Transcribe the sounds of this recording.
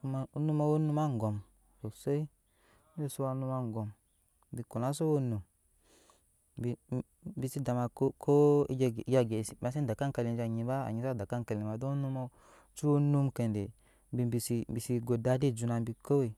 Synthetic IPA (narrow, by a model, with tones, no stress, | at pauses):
u˧ma˧u˦nu˧˦ma˧wo˦nu˧ma˦ŋ˨ɡɔ˨m | so˨se˦i˦ | o˦˨su˧˦a˧˦nu˧ma˧ŋ˨ɡɔ˨m | bi˧ku˨na˨˦so˦wo˦nu˨m | bi˧˨ | bi˧si˦da˨ma˧kkʰo˦i˦d͡ʒd͡ʒa˧ɡe˨si˨ma˨˧s̬i˦da˨ka˦ŋka˧li˧n˨d͡ʒa˨ɲi˧ba˦a̰˨ɲi˧sa˦˨da˨ka˦nka˧li˨ma˨do˦nu˧mɔ˧ | t͡ʃu˦o˦nu˧mke˨nde˨ | mbi˧bi˧˨si˧bi˨si˧ɡo˨da˧˦di˦˨d͡ʒu˧na˧mbi˧ko˦we˨